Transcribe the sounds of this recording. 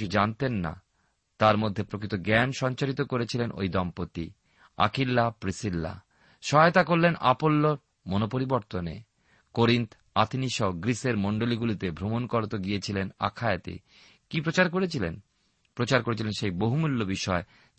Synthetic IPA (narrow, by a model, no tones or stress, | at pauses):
id͡ʑant̪enːa̰ | t̪aɾmod̪ʱːepɾokʰit̪oɡɛnʃɔɲt͡ɕaɾit̪okoɾet͡ɕʰilenʔo̰jd̪ɔmpot̪ːḭ | a̰kilːapɾisilːa̰ | ʃɔet̪akoɾːena̰polːoɾ | monopoɾiboɾt̪onḛ | koɾint̪ | at̪ʰiniʃɔɡɾiseɾmɔɳɖoliɡulit̪ebʱɾomonkɔɾot̪oɡiet͡ɕʰilena̰kʰaet̪ḭ | kipɾot͡ɕaɾkoɾet͡ɕʰilḛn | pɾot͡ɕaɾkoɾet͡ɕʰilenʃejboɦumulːobiʃɔe